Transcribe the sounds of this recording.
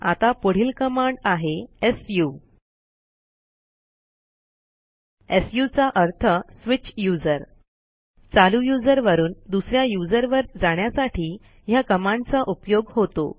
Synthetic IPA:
a̰t̪apəɽ̤iːlkəmaɳɖaɦeesju | esjut͡saʔəɾt̪ʰəsʋit͡ɕjud͡zəɾ | t͡salujud͡zəɾʋəɾuːnd̪usɾjajud͡zəɾʋəɾd͡zaɽjasaʈiː | jakəmãɳt͡saʔupjoɡɦot̪o̰

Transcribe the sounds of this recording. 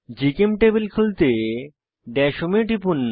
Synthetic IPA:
d͡ʑikemʈebelkʰult̪e | ɖɛʃomeʈipunː

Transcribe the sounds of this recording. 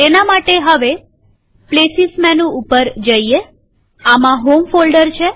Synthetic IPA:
enamaʈeɦəʋe | plesismɛnũupəɾd͡ʒəie | amãɦomfolɖəɾt͡ʃʰe

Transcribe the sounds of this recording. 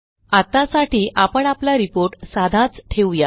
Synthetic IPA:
at̪asaʈiːʔapəɳaplaɾipoɾʈsad̪ʱãt͡sʈʰeʋja

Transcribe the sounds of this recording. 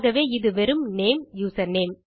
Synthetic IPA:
ɣɐʋeːɪðɯʋɛɾɯmneːmjuːsɐneːm

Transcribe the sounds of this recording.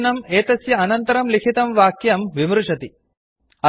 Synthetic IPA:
nɐmeːt̪ɐsjɐɐnɐnt̪ɐɾɐmlikʰit̪ɐmʋaːkjɐmʋimɾuʂɐt̪i | ɐ

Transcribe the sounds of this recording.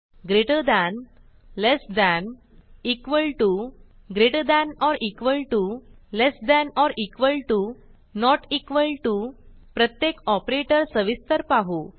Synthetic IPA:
ɡɾeʈəd̪ɛ̃n | lesd̪æ̃n | ikʋəlʈu | ɡɾeʈəd̪ænɔɾikʋəlʈulesd̪æ̃nɔɾikʋəlʈu | nɔʈikʋəlʈupɾət̪jekɔpɾeʈəɾsəʋist̪əɾpaɦu

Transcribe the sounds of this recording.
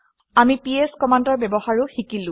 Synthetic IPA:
amipieskɔmandɔɹbɛbɔhaɹʊxikilʊ̃

